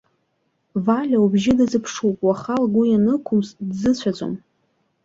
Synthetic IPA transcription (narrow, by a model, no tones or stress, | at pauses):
valʲaubʒɪdɨzɨpʰʂupʼwaχalɡʷʊjanɨkʷʰʊmsdzɨt͡ɕʷʰad͡zʷʼo̰m